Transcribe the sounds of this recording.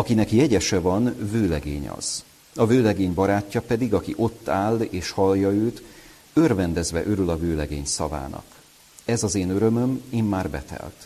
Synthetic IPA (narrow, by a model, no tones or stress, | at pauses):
ɒkinɛkjɛɟɛʃɛvɒnvøːlɛɡḛːɲɒ̰z̥ | ɒvøːlɛɡeːɲbɒɾaːcːɒpɛd̪iɡɒkiʔo̞t̪ːaːlːeːʃhɒljɒøːt̪ | ørvɛnd̪ɛzvɛʔøɾylɒvøːlɛɡeːɲsɒva̰ːnɒ̰k | ɛzɒzeːnøɾø̞mø̞meːmːaːrbɛ̰t̪ɛ̰lt̪